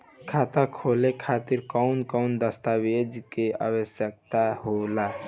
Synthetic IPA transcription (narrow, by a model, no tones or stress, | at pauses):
kʰat̪akʰolekʰat̪iɾkəʊnkəʊnd̪əst̪abed͡ʒkea̰bəsjək̚t̪ahola